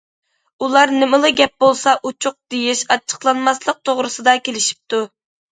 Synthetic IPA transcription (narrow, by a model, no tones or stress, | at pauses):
ulˠɑɾnɪmɨlˠɨɡʲɛp̚bolˠsɑʔut͡ʃʰuq̚d̪̥ejiʃɑt͡ʃʰːə̥χlˠɑnmɑslˠəq̚t̪ʰoʁɾɨsɨd̪ɑkʲelɪʃi̥p̚t̪ʰu